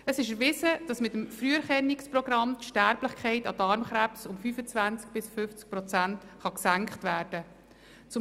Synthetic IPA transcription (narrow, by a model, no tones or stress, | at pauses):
əsɪʃəɾʋɪsəd̥ɑsmɪtəmfɾyəɾχɛnːiksprɔɡɾɑmtʃtæɾblɪχkʰχɛɪtɑdɑɾmχɾæpsʊmfyfət͡svænt͡sk̚b̥ɪsfʏft͡sk̚pɾɔt͡sæntχɑksæŋkχtʋæːɾd̥ə | t͡sʊ